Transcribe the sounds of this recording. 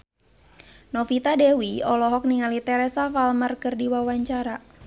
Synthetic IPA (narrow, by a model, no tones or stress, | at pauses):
nɔfit̪adɛwiɔlɔɦɔk̚niŋalit̪ɛɾɛsafalmarkərdiwawaɲt͡ʃaɾa